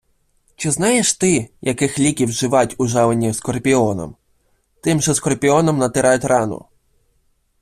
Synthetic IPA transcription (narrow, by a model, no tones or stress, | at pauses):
t͡ʃɪznɑjeʃt̪ɪjɐkɪxlʲikʲiwʒɪʋɑtʲʊʒɑʋenʲiskɔrpʲiɔnɔ̰m | t̪ɪmʒɛskɔrpʲiɔnɔmnɐt̪ɪɾɑjʊtʲrɑnʊ̰